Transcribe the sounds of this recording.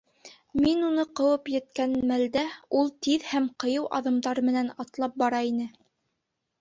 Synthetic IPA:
minunɤqɤ̆wɤpjɘ̆t̪̚kænmæld̪æulˠt̪iðhæmqɤ̆jɤwʔɑ̰ðɤ̆md̪ɑɾmɘ̆nænɑt̪lˠɑp̚bɑɾɑinɘ

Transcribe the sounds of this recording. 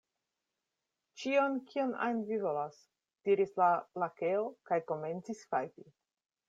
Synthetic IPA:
t͡ʃionkʰio̞na̰jnvivo̞las | d̥iɾislalakeokajko̞me̞nt͡sisfajti

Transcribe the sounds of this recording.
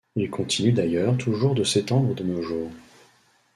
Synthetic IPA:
ilkʰɔ̃t̪ʰinyd̪ajœʁt̪ʰuʒuʁd̪əset̪ɑ̃d̪ʁəd̪ənoʒuːʁ

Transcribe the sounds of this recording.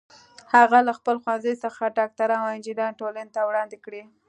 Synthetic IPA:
haɣalaxpəlxwanzəjsəxaʈɑk̚t̪aɾawɪnd͡ʒid̪ɑnʈolanet̪awɽɑnd̪ɪkɽi

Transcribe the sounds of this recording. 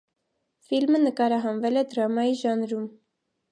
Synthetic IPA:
filmənəkɑɾɑɦɑnvɛlɛd̪ɾɑmɑjiʒɑnɾum

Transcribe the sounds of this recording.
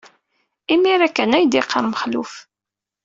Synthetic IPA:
imiɾækːənæjd̪iqːəɾˤməχlṵf

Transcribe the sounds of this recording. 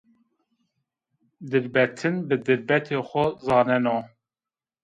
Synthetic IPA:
d̪ɨɾbɛt̪ʰɨnbɨd̪ɨɾbɛt̪ʰeːxʷɔzɑːnɛno

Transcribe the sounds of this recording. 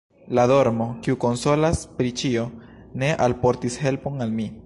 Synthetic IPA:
lado̞ɾmo̞kiuko̞nso̞laspɾit͡ʃio̞ne̞ʔalpo̞ɾtishe̞lpo̞nalmi

